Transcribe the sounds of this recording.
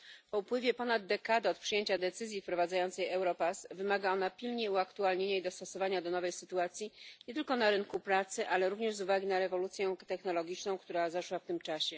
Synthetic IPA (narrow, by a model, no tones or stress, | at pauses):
pɔupwɘvʲjɛpɔnad̪ːɛkad̪ɘɔt̪̚pʂɘjeɲt͡ɕad̪ɛt̪sɘzʲjifpɾɔvad̪zajɔnt̪sɛjɛwɾɔpasvɘmaɡaɔn̪apʲilɲeuakt̪ualɲeɲaid̪ɔst̪ɔsɔvaɲad̪ɔnɔvɛjsɘt̪uat̪sʲjiɲɲɛt̪ɘlkɔnaɾɘŋkupɾat̪sɘʔalɛɾuvɲɛʐzuvaɡʲinaɾɛvɔlut̪sʲjɛ̃t̪ɛxnɔlɔɡʲit͡ʂnɔ̃w̃kt̪uɾazaʂwaft̪ɘmt͡ʂaɕɛ